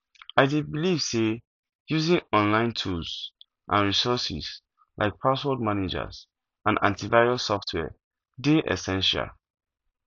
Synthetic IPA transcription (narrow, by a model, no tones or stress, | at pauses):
aɪdebiliv̥se | juzĩŋɔ̃nlãɪ̃ntʰulz̥ | ʔãnɹisɔsḭz̥ | lʔa̰ɪk̚pʰaswɔd̚maned͡ʒə̰z̥ | ʔãnã̰ntivaɪɹɔsɔftʰwɛ̰ | deʔɛ̰sɛ̃nʃa̰l